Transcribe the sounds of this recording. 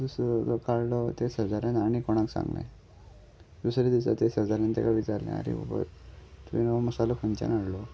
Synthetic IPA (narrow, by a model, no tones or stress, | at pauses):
d̪usɾɔd͡zɔkaɽlɔt̪esəd͡zaɾjanaɽ̃ikɔɽ̃aksã̰ŋɡlḛ̃ | d̪usɾed̪isat̪esəd͡zaɾãnt̪ekaʋit͡ɕaɾlḛ̃a̰ɾḭbə̰bə̰ɾt̪uinməsalɔkunt͡ɕa̰naɽlɔ